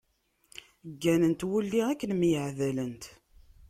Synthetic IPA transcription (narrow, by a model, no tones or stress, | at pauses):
ɡːænənt̪wulːiækːənmjəʕðælənt̪